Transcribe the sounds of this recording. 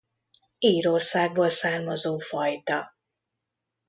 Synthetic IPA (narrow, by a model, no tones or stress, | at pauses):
iːɾo̞rsaːɡ̚boːlsaːrmɒzoːfɒjt̪ɒ